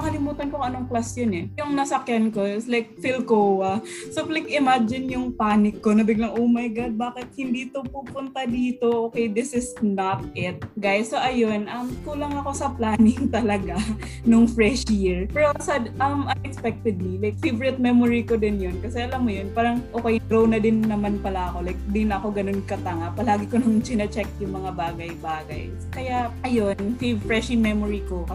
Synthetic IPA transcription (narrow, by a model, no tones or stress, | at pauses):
ɐkɐlɪmuːt̪ɐnkʊŋʔɐnoŋklasjonɛjʊŋnɐsɐkjanko̞ɪslajk̚fɪlkowɐ | soplajkɪmad͡ʒɪnjʊŋpaːnɪkːonɐbɪɡlɐŋʔoːmɐjɡad̪̚baːkɪt̪̚hɪnd̪iːt̪opuːpʊnt̪ɐd̪iːt̪o̞ʔoːkɛjd̪ɪsɪsnɐt̪̚ʔɪt̪̚ɡajsːoʔɐjonʔɐmk̪ulɐŋɐko̞sɐplaːnɪŋt̪ɐlɐɡa | noŋfɹɛʃjiɹpɛɾosɐʔɐmʔɐnɛkspɛk̚t̪ɛd̪̚milajk̚fevɹɪt̪̚mɛmoɹiko̞d̪ɪnjonkɐsɛʔɐlamːojonpaːɾɐŋʔoːkɛjɡɾownɐd̪ɪnːɐmanpɐlaʔɐko̞lajk̚d̪ɪnɐko̞ɡɐno̞nkɐt̪ɐŋapɐlaːɡɪkonʊŋt͡ʃɪnɐt͡ʃɛk̚jʊŋmɐŋabaːɡɐjbaːɡɐ̰j | kɐjaʔɐjo̞nfifɹɛʃimɛmoɹiko̞kɐ